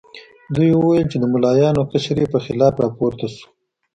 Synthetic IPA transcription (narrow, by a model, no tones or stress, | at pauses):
d̪ujwuwajəlt͡ʃed̪əmʊlɑjɑnokəʃɾepəxɪlɑpɾɑpoɾt̪asu̥